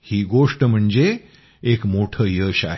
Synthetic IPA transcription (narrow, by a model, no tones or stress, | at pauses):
hiːɡoʂʈəm̤əɳd͡zeː | kmoʈʰəːjəːɕaɦe